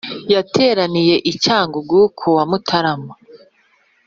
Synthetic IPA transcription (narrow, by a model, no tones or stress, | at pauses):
jatʰe̞ːɾanije̞ʔicaːŋɡoɡuːkʰowamutʰaɾama